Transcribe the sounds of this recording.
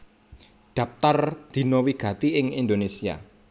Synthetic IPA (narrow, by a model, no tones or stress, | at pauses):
ɖ̪̥ä̤p̚t̪ard̪̥i̤nowiɡ̥ä̤t̪iɪŋind̪onesia̰